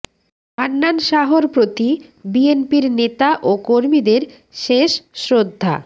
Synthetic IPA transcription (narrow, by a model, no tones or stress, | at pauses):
anːanʃaɦoɾpɾot̪ibienpiɾnet̪aʔokoɾmid̪eɾ | ʃeʃsɾod̪ʱːa̰